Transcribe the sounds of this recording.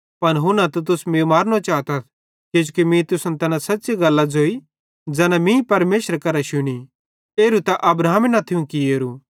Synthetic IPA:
pɐnɦʊnãt̪ot̪̬ʊsmemaːɾñot͡ʃaːt̪ɐt̪ʰ | kɪd͡ʒukimĩt̪ʊsənt̪ɛːnãsɐtːʃeɡɐlːad͡zoːi | d͡ʒɛːnãmĩpɐɾmeːʃəɾkɐɾaʃʊɽ̃i | eːɾut̪aʔɐbɾaːminat̪ʰiũkieːɾu

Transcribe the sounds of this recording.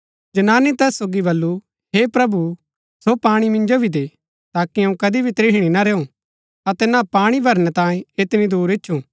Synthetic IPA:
d͡ʒɐnaːnit̪ɛːsːoːɡibɐlːu | ɦepɾɐbu | sopaːɽ̃imɪ̃nd͡ʒobʱid̪eː | t̪aːkiɐ̃ũkɐd̪ibʱit̪ɾɪɦɽ̃inɐɾeːũ | ɐt̪ɛnapaːɽ̃ibʱɐɾñɛt̪ãːẽɪt̪ɪnid̪uːɾɪtːʃʰũ

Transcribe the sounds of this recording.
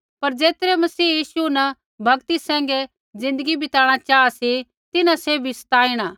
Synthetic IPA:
pɐɾd͡ʒeːt̪ɾɛmɐsiːjiːsunɐ | bʱɐɡt̪isɛ̃ːŋ̆ɡɛ | d͡zɪ̃nd̪əɡibɪt̪aːɽ̃at͡ʃaːasi | t̪ɪnãseːbʱisɐ̥t̪aːiɽ̃aː

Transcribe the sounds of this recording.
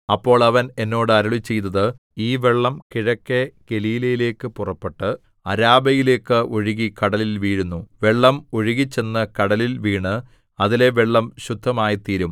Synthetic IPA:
ɐpːo̞ːɭɐʋɐne̞nːo̞ːɽɨɐɾɐɭit͡ɕːe̞jt̪ːɐðɨ | iːʋe̞ɭːɐmkiɻɐkːeɡ̥e̞liːlɐjile̞ːkːɨpurɐpːeʈːɨ | ɐɾaːbɐjile̞ːkːɨoɻiɣikɐɽɐlilʋiːɻunːuʋe̞ɭːɐmoɻiɣit͡ɕːe̞nːɨkɐɽɐlilʋiːɳɨ | ɐðile̞ʋeɭːɐmɕud̪ʱːɐmaːjɐt̪iːɾum

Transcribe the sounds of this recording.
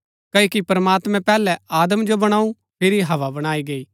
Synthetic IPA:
kɐokipɾɐmaːt̪mɛ̃pɛːlɛaːd̪əmd͡ʒobɐɽ̃aːũ | pʰɪɾiɦɐʋabɐɽ̃aːiɡeiː

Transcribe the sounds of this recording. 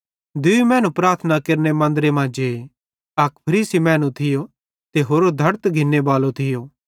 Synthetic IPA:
d̪ʊmɛ̃ːnũpɾaːɾt̪ʰənakeɾnemɐ̃nd̪ɾemãːd͡ʒe | ɐkpʰɐɾiːsimɛ̃ːnũt̪ʰɪjo | t̪eɦoːɾod̪ʱɐɾt̪ɡʱɪnːebaːlot̪ʰɪjoː

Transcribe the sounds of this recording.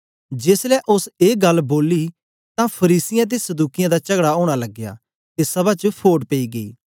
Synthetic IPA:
d͡ʒeːslɛʔʊseːɡɐlboːli | t̪ãpʰɐɾiːsɪjãt̪̬esɐd̪uːkɪjãd̪at͡ʃɐɡɽaoːɽ̃alɐɡːja̰ː | t̪esɐbat͡ʃəpʰoːʈpeiɡɐḭː

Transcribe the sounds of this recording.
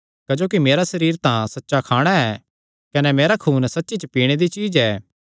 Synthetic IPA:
kɐd͡ʒoːkimeːɾasɐɾiːɾt̪ãsɐtːʃakʰaːɽ̃aɛː | kɐnɛmeːɾakʰuːnsɐtːʃit͡ʃəpiːɽ̃ed̪it͡ʃiːd͡ʒɛː

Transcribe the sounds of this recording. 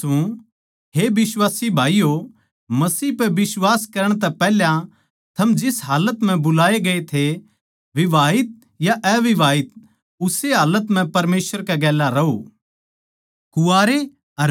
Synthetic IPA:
ũ | ɦebɪswaːsibʱaːijo | mɐsiːpɛbɪswaːskɐɾəɽ̃t̪ɛpɛːɦljã | t̪ʰɐmd͡ʒɪsɦaːlət̪m̤ɛ̃bʊlaːeɡɐet̪ʰe | ʋɪʋaːɪt̪̚ | jaʔɛːʋɪʋaːɪt̪̚ | ʊseɦaːlət̪m̤ɛ̃pɐɾmeːsʋəɾkɛɡɛːlːaɾɐɦṵː | kʊaːɾe | ɐɾ

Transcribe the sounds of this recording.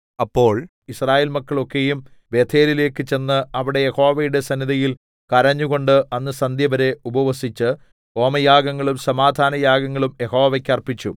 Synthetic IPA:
ɐpːo̞ːɭ | israːjeːlmɐkːɐɭo̞kːe̞jum | ʋe̞t̪ʰe̞ːlile̞ːkːɨt͡ɕe̞nːɨɐʋiɽe̞jeho̞ːʋɐjuɽe̞sɐniðɐjil | kɐɾɐɲːuɣo̞ɳɖɨʔɐnːɨsɐnd̪jɐʋɐɾe̞ubɐʋɐsit͡ɕːɨ | o̞ːmɐjaːɡɐŋːɐɭumsɐmaːd̪ʱaːnɐjaːɡɐŋːɐɭumjeho̞ːʋekʲːɐrpit͡ɕːṵ

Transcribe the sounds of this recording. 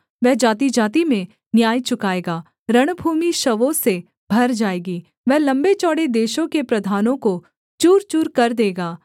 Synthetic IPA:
ʋɛɦd͡ʒaːt̪̬id͡ʒaːt̪̬imẽ | njaːit͡ʃʊkaːeːɡaː | ɾɐɽ̃bʱuːmiʃɐʋõse | bʱɐɾd͡ʒaːeːɡiː | ʋɛɦlɐ̃mbet͡ʃɔːɽed̪eːʃõkepɾɐd̪ʱaːnõko | t͡ʃuːɾt͡ʃuːɾkɐɾd̪eːɡaː

